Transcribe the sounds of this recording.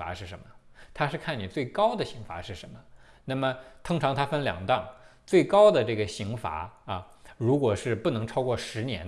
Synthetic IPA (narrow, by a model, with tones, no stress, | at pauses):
a̰˧˥ʂɻ̩˥˩ʂə˧˥nmə˧t̪ʰa˥ʂɻ̩˥˧kʰa˥˩ni˨˩t͡swe˥˩ɪkɑ˥ʊd̪ə˨ɕi˧˥ŋfa̰˧˥ʂɻ̩˥˩ʂə̰˧˥nmə˧ | na˥˩mə˩t̪ʰʊ˥ŋʈ͡ʂʰɑ˧˥ŋt̪ʰa˥fə˥nljɑ̰˨˩ŋt̪ɑ˥˧˩ŋt͡swe˥˩ɪkɑ˥ʊd̪ə˨ʈ͡ʂɤ˥˩ɡə˩ɕi˧˥ŋfa̰˧˥ɐ˧ | ɻu˧˥kwɔ˨˩ʂɻ̩˥˧pu˥˩nɤ˧˥ŋʈ͡ʂʰɑ˥ʊkwɔ˥˩ʂɻ̩˧˥njɛ̰˧˥n